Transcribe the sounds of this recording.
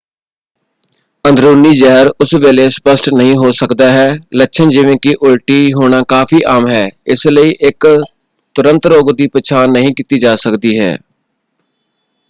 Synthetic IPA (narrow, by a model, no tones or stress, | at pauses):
ə̃nd̪ʱɾuːniːd͡ʒɛɦɾʊsʋeːlespəsʈnəɦĩɦoːsəkd̪aːɦɛːlətːʃʰənd͡ʒiːʋẽkiːʔʊlʈiːɦoːnaːkaːpʰiːʔaːmɦɛːɪsləiːʔɪk | t̪ʊɾə̃nt̪ɾoːɡd̪iːpət͡ʃʰaːnːəɦĩːkit̪iːd͡ʒaːsəkd̪iːɦɛ̰ː